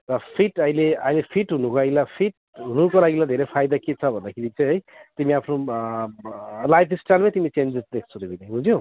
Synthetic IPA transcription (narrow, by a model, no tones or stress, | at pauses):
ɾʌpʰiʈajleajlepʰiʈɦunukolaɡilapʰiʈ̚ | ɦunukolaɡilad̪ʱeɾejpʰajd̪aket͡sʰʌbʱʌnd̪akʰeɾit͡saj̃ɦʌjt̪imiapʰno | lajpʰisʈajlmajt̪imit͡send͡zesd̪ek̚ʰt͡sʰud̪ebinaɦũd͡zjo